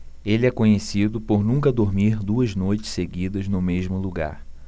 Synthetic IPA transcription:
elɪɛkõɲesid̪ʊpoɾnũkɐd̪oɾmiɾd̪uɐznojt͡ʃɪ̥seɡid̪ɐznʊmeʒmʊluɡa̰ɾ

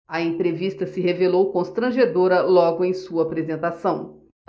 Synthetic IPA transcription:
ɐẽnt̪ɾevist̪ɐsɪɦevelowkõst̪ɾɐ̃ʒed̪oɾɐlɔɡʊẽj̃suɐːpɾezẽnt̪asɐ̃w̃

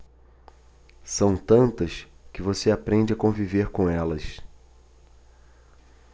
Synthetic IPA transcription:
sɐ̃w̃t̪ɐ̃nt̪ɐskɪvoseapɾẽnd͡ʒɪakõviveɾkõɛlɐs

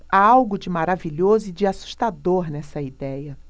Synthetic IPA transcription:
aawɡʊd͡ʒɪmaɾaviʎozʊid͡ʒɪasu̥ʃt̪ad̪oɾnɛsɐid̪ɛjɐ

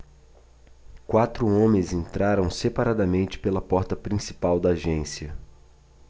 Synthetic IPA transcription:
kwat̪ɾʊõmẽzẽnt̪ɾaɾɐ̃w̃sepaɾad̪ɐmẽnt͡ʃɪ̥pelɐpɔɾt̪ɐpɾĩsi̥pawd̪ɐːʒẽsiɐ

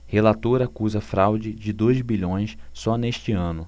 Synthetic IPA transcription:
helat̪oɾɐakuzɐfɾawd͡ʒɪd͡ʒɪd̪ojzbiʎõj̃ssɔneʃt͡ʃɪɐ̃nʊ

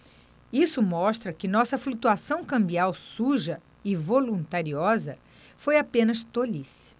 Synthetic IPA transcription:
isʊmɔʃt̪ɾɐkɪnɔsɐflut̪uasɐ̃w̃kɐ̃mbiawsuʒɐ | ɪvolũnt̪aɾiɔzɐ | fojapẽnɐst̪olis

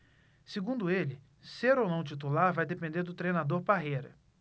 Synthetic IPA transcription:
siɡũnd̪ʊelɪ | seɾownɐ̃w̃t͡ʃit̪ulaɾvajd̪epẽnd̪eɾd̪ʊt̪ɾejnad̪oɾpaɦejɾɐ

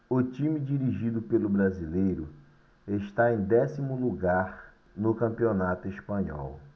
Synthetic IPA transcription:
ʊt͡ʃĩmid͡ʒiɾiʒid̪ʊpelʊbɾazilejɾʊ | eʃt̪aẽj̃d̪ɛsimʊluɡaɾ | nʊkɐ̃mpionat̪ʊespɐ̃ɲɔ̰w

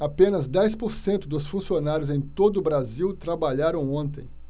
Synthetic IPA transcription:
apẽnɐzd̪ɛjspoɾsẽnt̪ʊd̪ʊsfũsionaɾjʊzẽj̃t̪od̪ʊbɾaziwt̪ɾabaʎaɾɐ̃w̃õnt̪ḛ̃j̃

